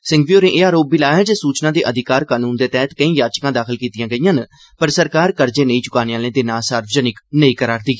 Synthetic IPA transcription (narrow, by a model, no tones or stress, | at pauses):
sɪ̃ŋɡʋijoːɾẽːʔeːaːɾoːbiːlaːɦɛːd͡ʒeːsuːt͡ʃnãːd̪eːʔəd̪ɪkaːɾkaːnuːnd̪eːt̪ɛːt̪kəĩːjaːt͡ʃkãːd̪aːkʰəlkiːt̪ɪjãːɡəijãːn | pəɾsəɾkaːɾkəɾd͡ʒeːnəĩːt͡ʃʊkaːneːaːlẽːd̪eːnaːsaːɾʋəd͡ʒənɪknəiːkəɾaːɾd̪iː